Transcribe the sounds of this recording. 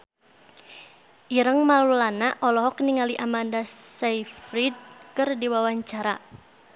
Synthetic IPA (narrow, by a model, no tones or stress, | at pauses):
ʔiɾəŋmalulanaʔɔlɔɦɔk̚niŋaliʔamandassaifɾid̚kɨrdiwawaɲt͡ʃaɾa